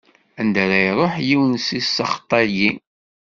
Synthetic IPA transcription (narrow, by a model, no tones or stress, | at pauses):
ænd̪əɾæjɾˤoħjiwənsisɑχt̪ˤːɑɾji